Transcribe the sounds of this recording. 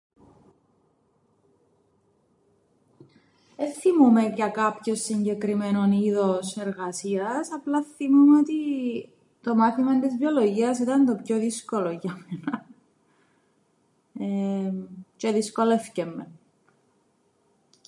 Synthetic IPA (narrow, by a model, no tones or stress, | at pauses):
eθimume̞cɐkɐpço̞sːiɲɟe̞kɾimeno̞niðose̞ɾɣɐsiɐsɐplɐθimumeot̪i | t̪o̞mɐθimɐnt̪izviolo̞ʝiɐs̬it̪ɐnd̪o̞pço̞ðisko̞loʝɐmenɐ | e | ce̞ðisko̞le̞fcemːe